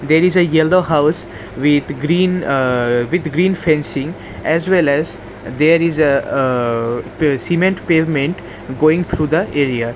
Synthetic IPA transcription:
d̪eɾizəjɛlɖoːɦaʊs | ʋɪd̪ɡɾĩːn | ʋɪd̪ɡɾĩːnfɛ̃nsɪ̃ŋ | ɛzʋɛlɛz | d̪eːɾizə | sĩmẽɳʈpeːvmẽɳʈ | ɡoːɪ̃ŋt̪ʰɾuːd̪əʔeɾia

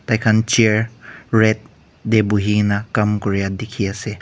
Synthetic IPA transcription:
t̪ajkʰant͡ʃeɹɹɛt̪̚ | d̪ebuɦinakɐmkɔɾjad̪ekʰiase

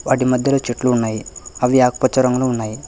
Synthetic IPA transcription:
ʋɐɖimɐd̪ʱjɐlut͡ʃiʈluːnːaːjiɐʋijaːkpɐt͡ʃːɐɾɐŋɡɐluunːaːji

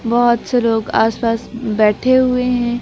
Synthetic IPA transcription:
bɔɦʊt̪seloːɡa̰ːspaːsbɛːʈʰeɦʊeɦɛ̃ː

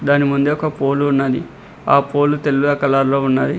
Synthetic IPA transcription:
d̪aːnimund̪eɔkɐpoːluunːaːd̪i | aːpoːlut̪elːuɡ̪ɐkɐlaːɾloːunːaːɾi

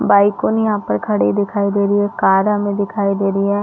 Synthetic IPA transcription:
baːɪkoːnjɐɦãːpəɾkʰɐɽed̪ɪkʰaːid̪eːɾiɛːkaːɾamẽd̪ɪkʰaːid̪eːɾiɛː

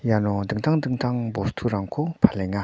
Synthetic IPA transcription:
janond̪ək̚t̪ʰaŋd̪ək̚t̪ʰaŋmbost̪ʰuɾaŋkʰopʰaleŋːa

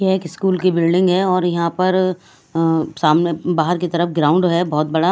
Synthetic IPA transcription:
jeːkɪskuːlkibɪlɖɪ̃ŋɡɦɛɔːɾjɐɦãpɐɾ | saːmnebaːɦəɾkit̪ɐɾəfɡɾaːʊ̃ɳɖɦɛbɔːt̪̚bɐɽa

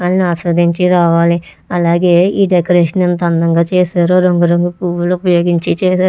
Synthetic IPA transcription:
alniaːsɾɐd̪ʱiɲt͡ʃiɾaːʋaːli | ɐlaːɡe̞ːiːɖekɐɾeːʂɐnent̪ɐnd̪ɐŋɡaːt͡ʃeːsaːɾoːɾoŋɡɐɾoŋɡukuːʋulupɐjo̞ːɡiɲt͡ʃit͡ʃeːaː

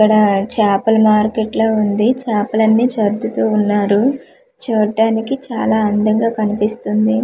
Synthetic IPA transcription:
kːɐɽɐt͡ʃaːpɐlmaːɾkeʈloːund̪it͡ʃaːpɐlɐnːiːt͡ʃɐɾd̪ut̪uːunːaːɾu | t͡ʃɛːɖaːnikit͡ʃaːlaːɐnd̪ɐŋɡaːkɐnipist̪und̪i

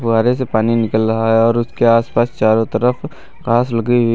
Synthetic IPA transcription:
fɡaːɾesepaːninɪkəlɾɐɦaɦɛɔːɾʊskeaːspaːst͡ʃaːɾõt̪əɾəf | kaːslɐɡiɦi

